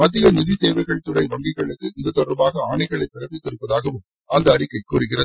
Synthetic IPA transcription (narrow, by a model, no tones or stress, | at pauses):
mɐt̪ːɪjɐnɪðɪsɛːʋɐɣɐɭt̪ɯɾɐɪʋɐŋɡɪɣɐɭɯkːɯɪnd̪ɐt̪ːɔɽɐɾbaːɣɐaːɳɐɪɣɐɭɐɪpɪɾɐpːɪt̪ːɪɾɯpːɐðaːɣɐʋɯm | ɐnd̪ɐːɽɪkːɐɪkuːrɯɣɪrɐðɯ